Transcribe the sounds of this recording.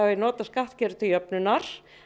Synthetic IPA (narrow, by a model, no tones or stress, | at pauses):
avɪnɔːt̪askaht̪cɛːɾʏt̪ʰɪjœpnʏnaɾ̥